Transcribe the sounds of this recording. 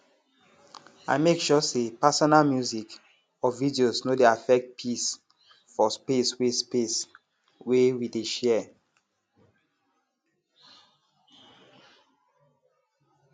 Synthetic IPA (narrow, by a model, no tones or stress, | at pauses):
a̰mekʃɔsepasɔnalmjuzik | ɔvidiosnodeafɛk̚t̚pʰis | fɔspeswespes | wewideʃɛ